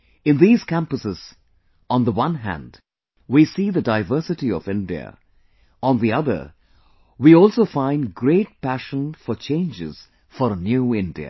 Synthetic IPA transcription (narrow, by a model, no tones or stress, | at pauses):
ɨ̃nðiːz̥kʰæ̃mpəsɪz̥ | ə̃nðəwʌ̃nɦæ̰̃nd | wisiːðədaɪvɜ˞sɨʈiɔ̰vɪ̃ndiə̰ | ə̃nðiʌðə̰ | wiɔlˠsoʊfãɪ̃nɡɾeɪt̚pæʃə̃nfɔt͡ʃʰẽɪ̃nd͡ʒɪ̰z̥ | fəɾnjuːɪ̃ndiɨ̰